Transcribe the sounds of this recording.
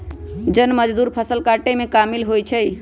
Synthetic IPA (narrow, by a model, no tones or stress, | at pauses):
d͡ʒənməd͡ʒd̪uɾpʰəsəlkaʈemekamilɦojt͡ʃʰəj